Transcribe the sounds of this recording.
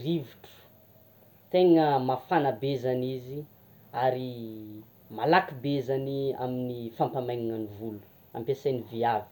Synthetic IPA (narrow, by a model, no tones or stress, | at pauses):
riviʈ͡ʂu̥ | t̪eŋəmafanabezanizi | aɾi | malakibezania̰minifampamajɲiŋanivulu̥ | a̰mpesajniviavi̥